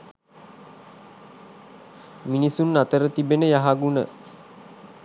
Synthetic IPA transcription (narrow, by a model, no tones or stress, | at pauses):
minisunːat̪əɾət̪ibenəjaɦaɡunə̰